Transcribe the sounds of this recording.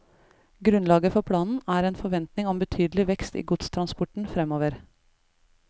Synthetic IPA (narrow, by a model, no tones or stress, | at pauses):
ɡɾʉnlɑːɡəfɔpʰɽɑːnn̩æːɾeːnfɔɾʋɛnt̪nɪŋɔmbət̪ʰyːd̪əlɪʋɛkst̪ḭːɡʊt̪st̪ʰɾɑnspɔʈɳ̩fɾɛmoːʋəɾ